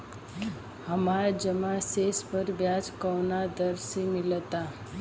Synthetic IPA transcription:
həmaɾd͡ʒəmasespəɾʋjad͡ʒkəwnad̪əɾsimilt̪a

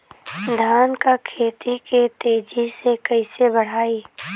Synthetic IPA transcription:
d̪ʱaːnkakʰeːt̪iket̪eːd͡ʒisekəɪsebəɽ̤aːiː

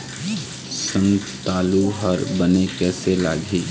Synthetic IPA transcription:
səm | t̪aːluɦəɾbənekɛːsela̰ːɡʱiː

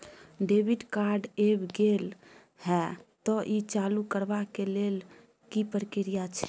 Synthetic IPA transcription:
ɖebiɖkaɾɖebɡel | hɛt̪ɔʔit͡ʃalukəɾbakelel | kipəɾkiɾijat͡ʃʰɛ̥

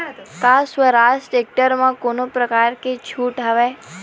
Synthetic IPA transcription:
kasʋəɾasʈek̚ʈəɾmãkonopɾəkaɾket͡ʃʰuʈɦəʋe

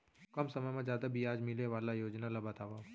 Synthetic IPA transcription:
kɐmsɐməjmãzjaːd̪abʱiaːd͡ʒmɪleʋaːlajoːd͡ʒnalabɐt̪aːʋa

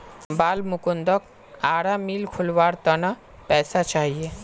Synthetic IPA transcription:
baːlmʊkund̪ɔk | aːɽamiːlkʰʊlʋaːɾt̪əna | pɛːsat͡ʃaːɦie

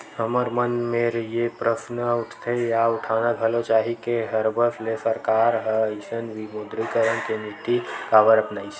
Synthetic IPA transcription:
ɦəməɾmənmeɾəɦijepɾəsnəuʈʰt̪ʰəjauʈʰanaəlot͡ʃaɦikeɦəɾbʱəslesəɾkaɾɦəəɪsənʋimod̪ɾikəɾənkenit̪ikabəɾəpnaːɪs

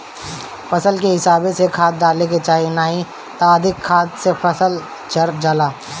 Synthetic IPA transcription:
fɐsəlkeɦɪsaːbesekʰaːt̪̚daːlek̬et͡ʃaːɦinaːɦĩ | t̪aːd̪ɪkʰːaːt̪sefɐsəl | t͡ʃɐɾd͡ʒalaː

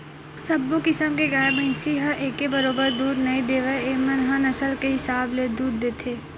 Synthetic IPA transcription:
sɐbːokɪsəmkeɡaːjəmẽɪsiɦɐʔeːkːebɐɾoːbəɾd̪uːɾnɐid̪eːʋeeːmɐnɦɐnɐsəlkeɦɪsaːbled̪uːɾd̪eːt̪ʰeː

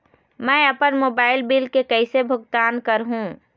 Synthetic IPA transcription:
mɛ̃ːɐpənmoːbaːɪlbɪlkekɛɪsebʱʊɡ̚t̪aːnkəɾɦũː

